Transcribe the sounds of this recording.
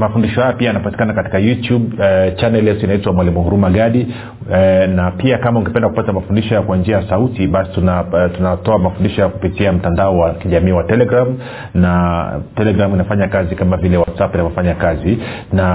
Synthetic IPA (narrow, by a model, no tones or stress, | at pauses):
mafundiʃɔhajɔpiajanapati̥kanakati̥kajutjubt͡ʃanɛljɛtuinaitwamwalimuhuɾumaɠaɗi | napiakamauŋɡɛpɛndakupatamafundiʃɔjakwand͡ʒiajasautiɓasi̥tunatunatɔamafundiʃɔjaku̥pitiam̩tandaɔwakiʄamiːwatɛlɛɡɾam | natɛlɛɡɾaminafaɲakazikamavilɛwatsapinavɔfaɲakazina